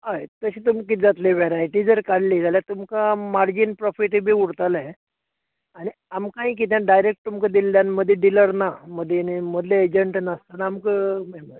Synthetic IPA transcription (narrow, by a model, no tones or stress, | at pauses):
ɦajt̪əɕiːt̪umkid͡zat̪leʋeɾajʈiːd͡zəɾkaɽliːd͡zaljat̪umkamaɾd͡ʑinpɾɔfiʈebʱiːuɽt̪alae | aɽ̃i | amkãɦĩːk̬it̪̬jãɖajɾek̚ʈ̚t̪umkad̪ilːjanməd̪ʱːjed̪iləɽnaməd̪ʱjeniməd̪ʱleːd͡ʑəɳʈnəst̪anaːmkəmemə